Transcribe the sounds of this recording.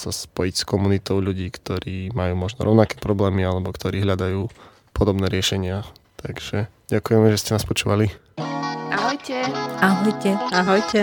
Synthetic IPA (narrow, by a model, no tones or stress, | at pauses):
saspɔjicskɔmunit̪ɔʊʎuɟiːkt̪ɔɾiːmajuːmɔʒnɔ̰ɾɔʊnakɛːpɾɔblɛːmialɛbɔkt̪ʰɔɾiːɦlʎad̪ajuː | pʰɔd̪ɔbnɛːɾɪɛʃɛɲɪat̪ʰaɡʒ̥ɛ | ɟakujɛmɛʒɛscɛnaspɔt͡ʃuːʋali | aɦɔjcɛaɦɔjcɛaɦɔjcɛ